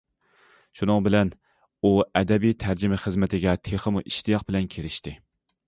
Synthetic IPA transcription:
ʃunɨŋbɪlɛn | uɛd̪ɛbijt̪ʰæɾd͡ʒɪmɪχəzmɪt̪ʰɪɡʲɛt̪ʰeχəmuʔiʃt̪ʰijɑq̚bɪlɛnkʲʰeɾɪʃt̪ɪ

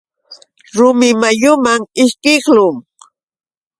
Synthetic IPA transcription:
ɾʊmɪmajʊmaŋɪʃkɪklʊŋ

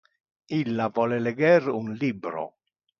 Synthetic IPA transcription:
ilːavɔleleɡɛɾunlibɾo̰

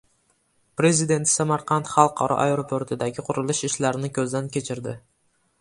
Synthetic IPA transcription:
pɾe̞zid̪e̞nt̪samɑɾqʰɑnt̪χɑlˠqʰɑ̰ɾʔɑ̰ʔaeɾopʰoɾt̪ʰɪd̪aɡʲɪqʰʊɾʊlɪʃɪʃlaɾɪnɪkʲʰɵzd̪ankʲʰe̞t͡ʃʰɪɾd̪ɪ

